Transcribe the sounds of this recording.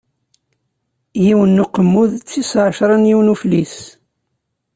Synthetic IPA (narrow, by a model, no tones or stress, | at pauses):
jiwənːuqəmːuðt͡sːisʕʃɾˤɑnjiwnuflis